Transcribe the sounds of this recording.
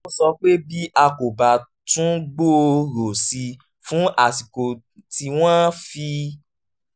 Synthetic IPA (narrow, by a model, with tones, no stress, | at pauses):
o˧˦sɔ˧k͡pe˦bi˦ʔa˧ko˨ba˨ | tũ˦ɡ͡bo˦˧ɾo˨si˧ | fũ˦ʔa˦˨si˨ko˨ | ti˧w̃ã˦fi˧